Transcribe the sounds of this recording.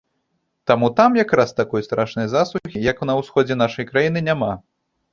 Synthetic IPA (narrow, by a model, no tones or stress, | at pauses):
t̪amut̪amjakɾast̪akɔjst̪ɾaʂnɐjɐzaslˠuuxʲijɐknɐwsxɔd͡zʲɛn̪aʂɐjkɾajinɨnʲama